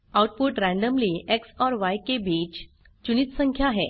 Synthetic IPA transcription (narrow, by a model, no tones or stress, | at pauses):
awʈ̚puʈɾæ̃ɳɖəmliːʔeksɔɾʋajkebʱit͡ɕ | t͡ɕunit̪səŋkʰjaɦe